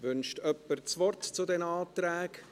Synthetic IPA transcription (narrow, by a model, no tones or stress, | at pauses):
vʏnʃtœpːəɾt͡sʋɔrtt͡sʊdɛnaːt̪ɾæːk